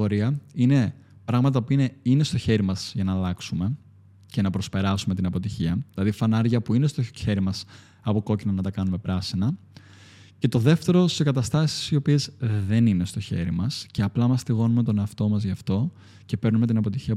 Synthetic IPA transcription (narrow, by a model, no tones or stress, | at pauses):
oɾiɐine̞ | pɾɐɣmɐt̪̬ɐpuine̞ine̞st̪o̞çe̞ɾimɐz̥ʝɐnɐːlɐksume̞ | cenɐpɾo̞spe̞ɾɐsume̞t̪inɐpo̞t̪içiɐðilɐðifɐnɐɾʝɐpuine̞st̪oçe̞ɾimɐs | ɐpo̞ko̞cinɐnɐt̪ɐkɐnume̞pɾɐsinɐ | ce̞t̪o̞ðe̞ft̪e̞ɾo̞ssekɐt̪ɐst̪ɐsi̥sio̞pie̞zðe̞nine̞st̪o̞çe̞̰ɾimɐsce̞ɐplɐmɐst̪iɣo̞numet̪o̞neɐft̪o̞mɐzʝɐft̪o̞ | ce̞pe̞ɾnume̞t̪inɐpo̞t̪içiɐ